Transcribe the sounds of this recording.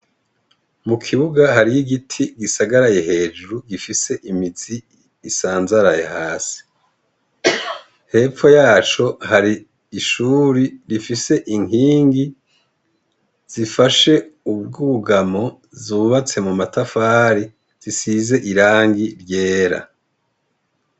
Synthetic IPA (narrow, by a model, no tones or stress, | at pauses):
mukʰiβuɡaɦaɾijiɡitʰiɡisaɡaɾajeɦe̞ːd͡ʒuɾuɡifise̞ʔimiziː | saːnzaɾajehaːsi̥ | he̞ːfo̞jaːt͡ʃo̞haɾi | iʃuɾiɾifise̞ʔiŋiːŋɡi | z̥ifaʃe̞ubɡuɡamo̞ | zuβat͡se̞mumatafaːɾi | z̥isize̞ʔiɾaːŋɡiɾje̞ːɾa̰